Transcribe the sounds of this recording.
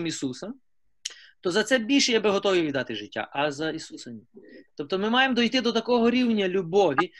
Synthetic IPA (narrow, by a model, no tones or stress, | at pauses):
misusɐ | t̪ɔzɐt̪sɛbʲilʲʃɛjabɪɦɔt̪ɔʋiʋʲid̪ɑt̪ɪʒɪtʲːa̰ʔɐzɐisusɐnʲɛt̪ɔp̚t̪ɔmɪmɑjemd̪ɔjt̪ɪd̪ɔt̪ɐkɔɦɔɾʲiwnʲɐlʲubɔʋʲi